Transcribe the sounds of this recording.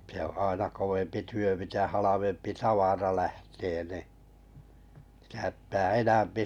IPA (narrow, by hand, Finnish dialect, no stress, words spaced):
se õː ɑˑenɑ koʋempi tyø mitæ hɑlɑʋempi tɑʋɑrɑ læhteː ni si̥tæ ptæː enæmpi